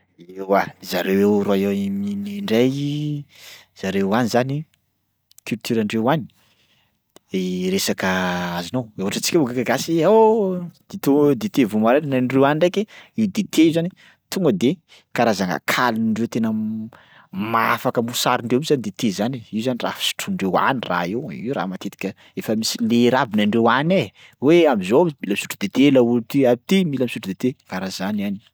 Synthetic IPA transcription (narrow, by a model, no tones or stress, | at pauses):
ewazaɾewewɾaawiminiɳɖ͡ʐaj | z̥aɾewanizani | kylt̪yɾaɳɖ͡ʐewani̥ | eɾesakəazinowewɦaʈ͡ʂət͡si̥kʲauɡakaɡasia | d̪̥et̪ud̪et̪evumaɾennaɳrewaniɳɖ͡ʐekeiwd̪et̪ʰeiwzani | t̪uŋɡəd̪e | kaɾazaŋa̰kʰaliniɳɖ͡ʐewt̪enə | maafakəmbusaɾiɳɖ͡ʐewuzanid̪et̪ezaniizanira̰fi̥su̥ʈ͡ʂuɳɖ͡ʐewa̰nira̰ewḭra̰mat̪et̪i̥kʲə | efəmisileɾabinaɳɖ͡ʐewane | weamizomilamisu̥ʈ͡ʂud̪et̪elault̪iait̪imilamisuʈ͡ʂud̪et̪ekaɾazanani̥